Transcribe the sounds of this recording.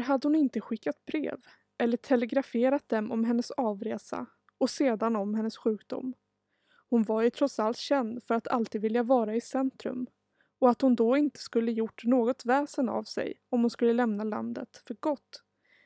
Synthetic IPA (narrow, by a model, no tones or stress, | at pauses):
ɾɦad̪ːəhʊnɪnt̪əɧɪkːat̪̚bɾḛːv | ʔɛlːəʈʰɛlɛɡɾafeːɾat̪̚d̪ɛmɔ̰mɦɛnːəsɑːvɾeːsa̰ | ɔseːd̪anɔmhɛnːəsɧʉ̟ːkd̪ʊ̰m | hʊnvaɾjɵt̪ʰɾɔt̪salt̪ɕɛnd̪fœɾat̪ʰa̰lt̪iːd̪vɪljavɑːɾaɪsɛnt̪ɾɵ̰m | ɔat̪hʊnd̪ɔɪnt̪ə̥skɵlːəjʊʈːnoːɡɔt̪vɛːsəna̰vsɛ̰jɔmhʊnskɵlːəlɛmnala̰nd̪ə̰t̪fœɾɡɔt̪ː